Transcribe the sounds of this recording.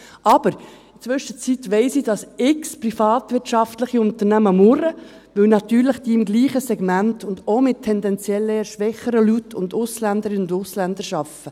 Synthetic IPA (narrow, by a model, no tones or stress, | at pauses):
ʔɑb̥əɾɪt͡sʋʏʃət͡sitʋɛɪsid̥ɑsɪksprifɑːt̪ʋɪɾtʃɑftləχiʊnt̪əɾnæməmʊɾə | ʋɪwnɑt̪yːɾləχd̪̥iɪmɡliːχəsɛɡ̥mæntʰʊndomɪt̚tʰːɛnd̪ɛnt͡sjɛlːəʃʋɛχəɾəlytʰːʊndʊslænd̪əɾɪʊndʊslænd̪əɾʃɑfə